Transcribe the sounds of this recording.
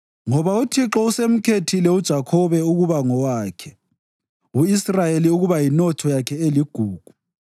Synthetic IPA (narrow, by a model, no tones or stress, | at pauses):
ŋɔβautʰiǁɔusem̩kʰetʰilɛud̥ʒ̥ʱakʰɔβɛuɣuβaŋɔwaːkʰɛ | uisrajeliuɣuβajinɔtʰɔjakʰɛeliɡ̥ʱuːɡ̥ʱu̥